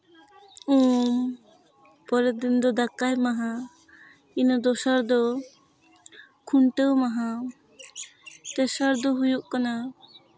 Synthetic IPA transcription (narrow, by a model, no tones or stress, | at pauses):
um | pɔɾɛd̪ind̪ɔd̪akajmaɦã | inɔd̪ɔsaɾd̪ɔ | kʰuɳʈəwmaɦa | t̪ɛsəɾd̪ɔɦujuʔkana